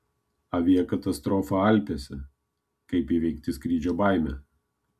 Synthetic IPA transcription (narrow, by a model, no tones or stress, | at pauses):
ɐʋʲiɛkɐt̪ɐst̪ɾɔːfɐɐlʲpʲesʲɛ | kɐɪpiːʋʲɛɪkt̪ʲɪskɾʲiːd͡ʒʲoːbɐˑɪmʲɛ